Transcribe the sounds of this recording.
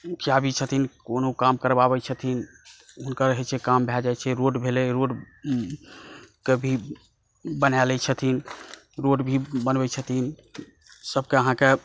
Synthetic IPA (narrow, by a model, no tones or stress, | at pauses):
kʰjabʱit͡ʃʰət̪inkonokamkəɾbabɛt͡ʃʰət̪ʰin | ɦunkəɾəɦɛt͡ʃʰɛkambʱjɛd͡ʒajt͡ʃʰɛɾoɖbʱeleɾoɖ | kebʱi | bənalɛt͡ʃʰət̪ʰin | ɾoɖbʱibənbɛt͡ʃʰət̪ʰin | səbkeəɦãke